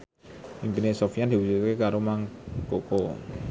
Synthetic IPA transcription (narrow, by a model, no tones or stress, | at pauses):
impinesofijad̪̥i̤wusut̪kekaɾomaŋkoko